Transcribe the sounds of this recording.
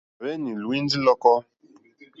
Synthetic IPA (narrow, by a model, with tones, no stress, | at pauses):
ɾe˦ni˨lwi˦n˦di˦lɔ˦kɔ˦